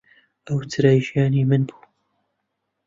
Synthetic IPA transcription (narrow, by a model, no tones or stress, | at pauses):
ʔɐwt̪ʰɨɾaːjʒijaːniːmɨnbu̥ː